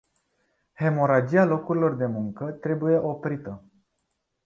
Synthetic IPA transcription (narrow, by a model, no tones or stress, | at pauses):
he̞mo̞ɾad͡ʒialo̞kuɾilo̞rd̪e̞muŋkət̪ɾe̞buje̞ʔo̞pɾit̪ə